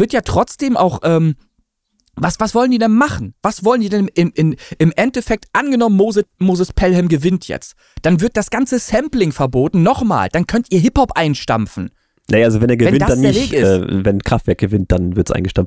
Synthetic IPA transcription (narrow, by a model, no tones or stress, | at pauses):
v̥ɪɐtjaːtʁ̥ɔt͡sd̥eːmʔaʊxʔɛːm | vasv̥asv̥ɔləndiːdɛnmaχn̩v̥asv̥ɔləndiːɐdɛnɪmʔɪnɪmʔɛntɛfɛk̚tʔanɡənɔmənmoːzəmoːzəspʰɛlhɛmɡəvɪntʰjɛ̰t͡st | d̥anvɪɐt̚d̥asɡ̥ant͡səsɛmplɪŋfɛɐboːtn̩ːɔχma̰ːld̥ankʰœntʔiːɐɦɪphɔpʔaɪnʃta̰mfn̩ | najaʔalzovɛneːɐɡəvɛnɪndasd̥adnːeɪɐveːkɪɛ̰ːvɛnkʁ̥aftv̥ɛɐk̚ɡ̥əvɪnt̚d̥anvɪɐtsʔa̰ɪnɡəʃtamft